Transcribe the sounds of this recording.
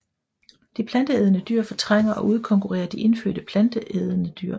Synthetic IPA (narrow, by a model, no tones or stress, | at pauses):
d̥ipʰlænd̥əeð̞ˠənəd̥yːɐ̰fɒ̽t͡sʰʁaŋ̰ɐʔɒ̽ʔuð̞ˠəkʰɒ̽ŋkʰuʁɛ̰ːɐd̥iʔe̝nfø̰ːd̥əpʰlænd̥əʔeð̞ˠənəd̥yɐ̰